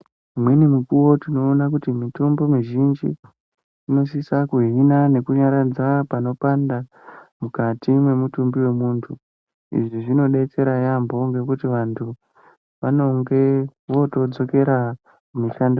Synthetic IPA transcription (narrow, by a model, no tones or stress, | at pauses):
mwenimukuwo̞tino̞ːnak̬utimitombo̞miʒind͡ʒḭː | no̞sisakuɦinane̞kuɲaɾad͡zapano̞panda | mukatimwe̞mutumbiwe̞muːntʰu | ḭʐiʐino̞ɗe̞t͡se̞ɾajambo̞ŋɡe̞kutiʋantʰu | ʋano̞ŋɡe̞ʋo̞to̞d͡zo̞ke̞ɾa | kumiʃand